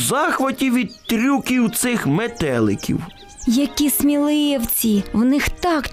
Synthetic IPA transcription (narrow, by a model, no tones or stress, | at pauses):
zɑxʋɐtʲiʋʲid̪̚t̪ɾʲukʲiwt̪sɪxmet̪ɛlˠɪ̰kʲḭw | jɐkʲismʲilˠɪwt͡sʲiwnɪxt̪ɑk